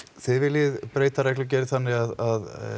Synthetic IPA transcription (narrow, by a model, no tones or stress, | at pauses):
θɪðvɪljɪðpɾeːjt̪aɾɛklʏc̬ɛːɾɪθanːɪɣaðað